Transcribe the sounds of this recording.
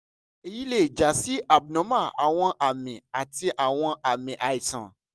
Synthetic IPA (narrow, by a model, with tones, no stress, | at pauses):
e˧ji˦le˦˨i˨d͡ʒa˨si˨˦ʔa˨bnɔ̃˨˦ma˦˨a˨w̃ɔ̃˧ʔa˨mĩ˨a˨ti˧ʔa˨w̃ɔ̃˧a˨mĩ˨ʔa˨i˨tã̰˨